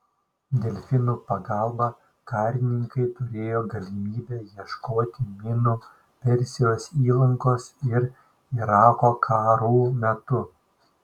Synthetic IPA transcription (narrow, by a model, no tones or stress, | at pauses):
d̪ʲɛlʲfʲɪnuːpɐɡɑlˠbɑ | kɑːɾʲɪnʲɪŋkɐɪt̪ʊɾʲeːjoːɡɐlʲɪmʲiːbʲɛːjiɛʃkoːt̪ʲɪmʲɪnu | pʲɛɾʲsʲɪjoːsiːlˠɐŋkoːsɪɾ | ɪɾɑːkoːkʰɑːɾuːmʲɛt̪ʊ